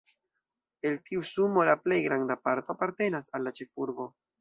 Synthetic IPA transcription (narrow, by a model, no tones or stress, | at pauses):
e̞ltiusumo̞laple̞jɡɾandapaɾtoapaɾte̞nasalːat͡ʃe̞fuɾbo̞